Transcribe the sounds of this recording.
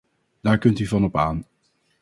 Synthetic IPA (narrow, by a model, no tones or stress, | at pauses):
d̥aːɹkɵntyvɑnɔpaːn